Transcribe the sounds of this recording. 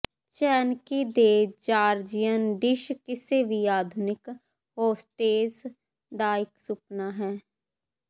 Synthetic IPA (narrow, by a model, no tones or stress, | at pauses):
t͡ʃɛːnkiːd̪eːd͡ʒaːɾd͡ʒɪjənɖɪʃkɪseːʋiːaːd̪ʱʊnɪk | ɦoːsʈeːz | d̪aːɪksʊpnaːɦɛː